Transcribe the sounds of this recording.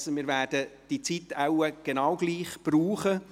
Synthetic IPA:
səmɪːɾvæːrdəd̥it͡sitæʊwəɡ̥enɑʊɡliːχb̥ruːχə

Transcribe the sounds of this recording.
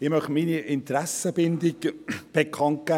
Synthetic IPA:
ɪmœχminiʔɪnt̪ɾɛsəbɪnd̪ɪɡb̥ekʰɑnt̚ɡ̥æ

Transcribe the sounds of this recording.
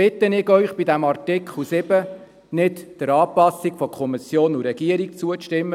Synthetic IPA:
ɪt̪ːənɪɡœʏχb̥id̪æmɑrtɪkχl̩sɪbə | nɪtd̥əɾɑːpɑsikfɔkʰɔmisjoːnuɾɛɡiəɾik̚t͡suəʃtɪmːə

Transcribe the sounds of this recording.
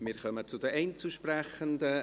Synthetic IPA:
mɪːɾkœmət͡sʊdəʔɛɪnt͡suʃpɾɛχəndə

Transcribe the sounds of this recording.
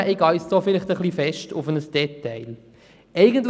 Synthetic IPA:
ʔɪɡɑjsd̥ɔːfɪlɪχt̪əχlifɛʃtʰʊfənəsd̥ɛtːɛɪl | ɛɪɡəntl

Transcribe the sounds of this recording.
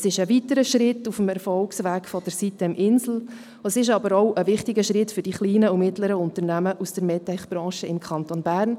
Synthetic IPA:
sɪʃəvitəɾəʃɾɪtufəmɛɾfɔlksʋæːkfɔd̥ɛɾsitəmʔɪnsl̩ | əɛsɪʃ̬ɑbəɾɔʊʔəvɪχtɪɡəʃɾɪtfʏɾd̥iχliːnəumɪtləɾəʊntənæməʔusd̥əɾmɛtɛχb̥ɾɑ̃ːʃəɪmkʰɑntonbæːrn

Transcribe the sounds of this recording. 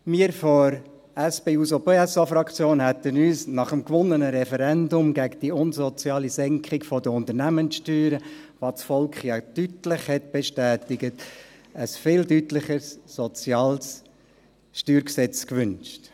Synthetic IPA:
miːəɾfɔɾ | æsb̥eːuːsopeːɛsɑfɾɑkʰt͡sjoːnɦæt̪ənyːsnɑχəmkʋʊnənəɾɛfɛɾɛndʊmɡæɡəd̥iʊnzɔt͡sjɑːlizɛŋkχɪkfɔdəʊnt̪ənæmənsʃtyːɾəʋɑsfɔlkχjɑtytlɪχhɛt̚b̥eʃtæːtɪɡətəsfɪːldytlɪχəsːɔt͡sjɑːls | ʃtyːɾksɛt͡skʋʏnʃt

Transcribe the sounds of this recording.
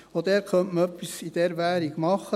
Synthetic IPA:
od̪ɛːɾχœntməœpːisid̥̪ɛɾʋæːɾiɡ̥mɑχːə

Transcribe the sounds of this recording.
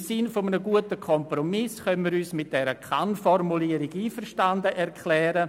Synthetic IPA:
sɪnfomənəɡuətəkʰɔmpromɪsxœnmiːɾyːsmɪt̚d̥ɛɾəkʰanfɔrmuliəɾɪɡiːfəɾʃtandəʔɛrkʰlɛːɾə

